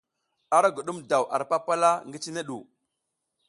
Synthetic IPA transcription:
a˦ɾa˦ɡu˨ɗu˦mda˨wʔa̰˨ɾpa˦pa˦la˦ŋɡi˦t͡ʃi˦ne˦ɗu˨

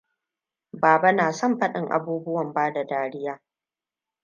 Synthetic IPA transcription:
baː˨ba˦naː˨sɔ˦˨mɸɐ˦ɗɪ˦˨ŋʔa̰˨buː˦bʊ˦wɐ˨mbaː˦da˨daː˨ɽɪ˦jaː˦

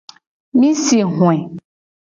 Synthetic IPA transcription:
mĩ˦si˨ɦw̃ɛ̃˨

